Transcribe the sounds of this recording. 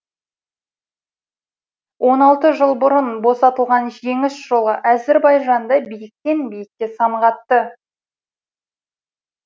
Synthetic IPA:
wʔo̞nɑlˠt̪əʒəlˠbʊɾənbo̞sɑt̪əlˠʁɑnʒe̞ŋɪsʒ̥o̞lˠəʔæzeɾbɑjʒɑnd̪ɑbijɪk̚t̪e̞nbijɪk̚kʲːe̞sɑmʁɑt̪ːə

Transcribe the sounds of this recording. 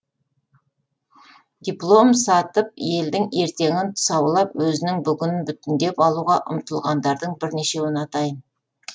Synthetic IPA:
d̪ʲiplˠo̞msɑt̪əp̚je̞ld̪ɪŋe̞ɾt̪e̞ŋʲɪnt̪ʰʊ̥sɑwlˠɑpwɵzɪnɪŋbʏɡʲɪnɪnbʏt̪ɪnd̪e̞pɑlˠuʁɑʔʊ̰mt̪əlˠʁɑnd̪ɑɾd̪əɴbɪɾne̞ʃe̞wɪnɑt̪ɑjən

